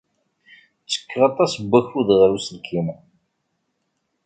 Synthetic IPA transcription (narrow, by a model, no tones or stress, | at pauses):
t͡sːə̥kːʁɑt̪ˤɑsbːæçuðʁəɾusəlkʰim